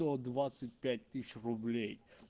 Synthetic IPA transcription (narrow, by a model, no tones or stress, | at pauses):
ɔɔd̪vat̪sət̪̚ʲpʲɛt̪ʲt̪ːiʃɾublʲej